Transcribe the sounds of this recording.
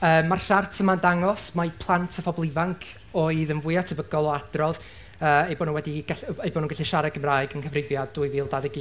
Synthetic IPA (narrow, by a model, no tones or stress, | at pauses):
əːmːarɬartʰəmandaŋɔsmapʰlˠantʰəfɔblˠɪvaŋkʰ | oːɨðənvʊjatʰəbəɡɔlˠɔad̥rɔð | əːejbɔnuːnwɛdiɡaɬejbɔnuŋɡaɬiʃaɾaɡəmraːɨɡənkʰəvrɪvjaduːɨviːlˠdaðɪɡi